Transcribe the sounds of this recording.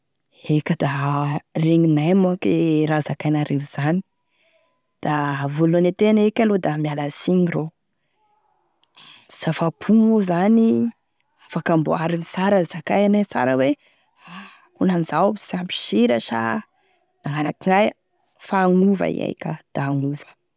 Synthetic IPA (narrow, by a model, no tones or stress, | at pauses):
ekʲəd̪areŋinajmakeɾazakajnaɾeɦz̥ani̥ | d̪̥avolanet̪enekʲalod̪amialasiŋiro | z̥afapʰuŋuzani | afakambo̰aɾinisaɾəzakajanat͡sa̰ɾəwe | a | kunanizawbsampi̥ʃiɾaʃa̰ | naŋanakiŋaj | faːŋuva̰ḭa̰jkʲəd̪̥aːŋuv̥ə̥